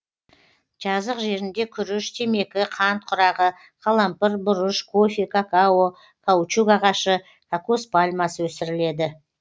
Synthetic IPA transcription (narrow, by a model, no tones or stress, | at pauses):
ʒ̥ɑzəqʒe̞ɾɪnd̪e̞kʲʰʏɾʏʃt̪ʰe̞me̞kʲɪqʰɑnt̪̚qʰʊɾɑʁə | qʰɑlˠɑmpəɾbʊɾəʃkʰo̞fikʰakao | kʰawt͡ʃukɑʁɑʃə | kʰakuspalʲmɑsəwɵsɪɾɪle̞d̪ɪ